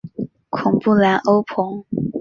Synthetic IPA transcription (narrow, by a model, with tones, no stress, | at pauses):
kʰʊ˨˩ŋpu˥˩la˧˥nʔo˥ʊpʰʊ˧˥ŋ